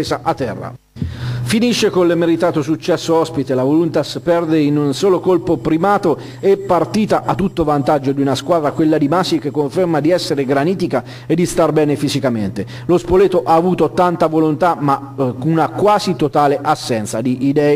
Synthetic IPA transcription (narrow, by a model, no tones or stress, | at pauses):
eːzaʔat̪ːɛ̰rːa̰ | finiʃːekolːmeɾit̪aːt̪osut͡ʃːɛsːoɔspit̪elavolunt̪aspɛrd̪einunsoːlokolpopɾimaːt̪o | epːart̪iːt̪aʔat̪ːut̪ːovant̪ad͡ʒːod̪iunaskwaːd̪ɾakwelːad̪imasik̟ekːoɱfermad̪iɛsːeɾeɡɾaniːt̪ika | ed̪ːist̪arbɛːnefizikament̪e | lospoleːt̪oʔaːvuːt̪ot̪ant̪avolont̪ama | unakwaːzit̪ot̪aːleʔasːɛnt̪sad̪iʔːd̪ɛːe